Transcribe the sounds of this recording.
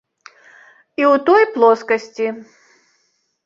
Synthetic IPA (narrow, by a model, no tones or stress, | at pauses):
iwt̪ɔjplˠɔskɐsʲt͡sʲi